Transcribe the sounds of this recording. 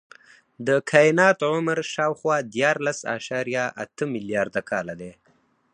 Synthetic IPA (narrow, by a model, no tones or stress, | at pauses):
d̪əkʰajɪnɑt̪ʕʊmɾʃɑwxwɑd̪jɑɾlasɑ̰ʃɑɾjaʔa̰t̪əmɪljɑɾd̪akʰɑlad̪e